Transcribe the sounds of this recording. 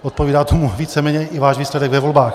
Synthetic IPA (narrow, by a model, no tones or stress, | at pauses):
ʔot̪̚poviːdaːt̪omuviːt͡sɛmɛːɲɛʔɪvaːʒviːslɛdɛɡvɛvo̞lbaːx